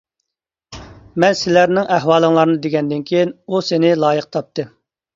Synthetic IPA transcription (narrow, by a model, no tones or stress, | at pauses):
mɛnsɪlæɾnɪŋʔæɦwɑːlˠɨŋlˠɑɾɨnɨd̪eɡʲɛnd̪ɪnkʲʰijinusɪnɪlˠɑːjəqt̪ʰɑp̚t̪ʰɨ